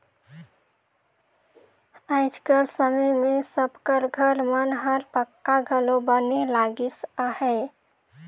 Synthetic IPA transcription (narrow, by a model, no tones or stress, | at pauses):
aɪd͡ʒkəɾsəməjmesəbkəɾɡʱəɾmənɦəɾpəkːaɡʱəlobənelaɡisahɛ